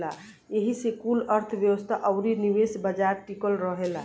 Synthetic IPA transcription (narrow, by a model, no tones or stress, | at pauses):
la | jeɦisekuləɾt̪ʰbjəwəst̪ʰaʔəʊɾiniʋesbəd͡ʒaɾʈikəlɾəɦela